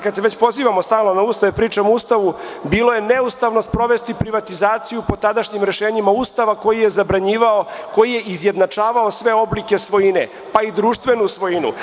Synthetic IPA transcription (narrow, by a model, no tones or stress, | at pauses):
kad̪seʋet͡ɕpo̞ziːʋamost̪aːlno̞nauːst̪aʋepɾiːt͡ʃamuːst̪aʋubiːlo̞je̞neust̪aʋno̞spɾo̞ʋe̞st̪ipɾiʋat̪izaːt̪sijupo̞t̪ad̪aʃɲimɾe̞ʃeːɲimaust̪aʋako̞jije̞zabɾaɲiːʋaoko̞jije̞ʔizje̞d̪nat͡ʂaːʋao̞sʋe̞o̞blike̞sʋo̞jinḛ | paid̪ɾuːʃt̪ʋe̞nusʋo̞jinṵ